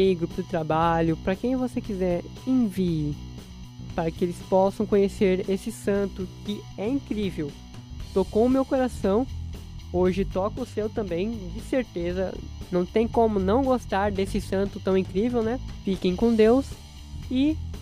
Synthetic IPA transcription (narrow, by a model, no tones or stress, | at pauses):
eɡɾupʊd̪ɪt̪ɾabaʎʊpɾɐkẽj̃vosekizɛɾ | ẽviɪ | paɾɐkɪelɪspɔsɐ̃w̃kõɲeseɾesɪsɐ̃nt̪ʊkɪɛĩkɾivew | t̪okõʊmewkoɾasɐ̃w̃ | oʒɪt̪ɔkɐʊsewt̪ɐ̃mbẽj̃d͡ʒɪseɾt̪ezɐ̰nɐ̃w̃t̪ẽj̃kõmʊnɐ̃w̃ɡost̪aɾd̪esɪsɐ̃nt̪ʊt̪ɐ̃w̃ĩkɾivewnɛfikẽj̃kõd̪ews | ɪ